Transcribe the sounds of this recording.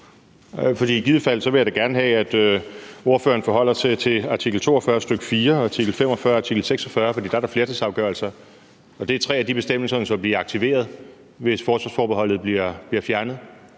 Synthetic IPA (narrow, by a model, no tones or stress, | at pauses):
fɒ̽d̥ḭːɡ̥iðˠfæl̰̩sɒ̽ʋe̝jäɾeɡ̥æɐnəɦɛæd̥øo̝ɐfø̰ːɐnfɒ̽ɦɒ̽l̰ɐt͡sʰe̝t͡sʰe̝ɑ̈t͡sʰiɡ̥l̩t͡sʰo̝̰ːɒfɶɐsd̥øɡ̥ə̥fiːɐt͡sʰiɡ̥l̩fem̰ɒfɶɐɑ̈t͡sʰiɡ̥l̩seɡ̥sɒfɶɐfɒdḭːd̥ɑ̈æɐɾæɐfle̝ɐt͡s̩ʰːˠsɑ̈ʊɡ̥ɶɐl̩sɐ | ɒ̽d̥e̝æt͡sʰʁɛ̰ːæd̥ib̥e̝sd̥em̰l̩sɐnəsɒb̥liːɑ̈ɡ̥̚t͡sʰiʋe̝̰ːɐð̞ˠ | ʋe̝sfɒːsʋɑ̈sfɒːb̥eɦɒ̽l̰ð̩ˠb̥liɐb̥liɐfjæɐnəð̩ˠ